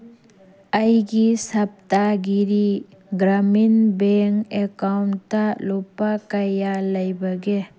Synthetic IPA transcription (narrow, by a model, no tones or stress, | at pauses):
əjɡisɐp̚taɡiɾi | ɡɾaminbeŋekawntːalɔpakajalɐjbɐɡe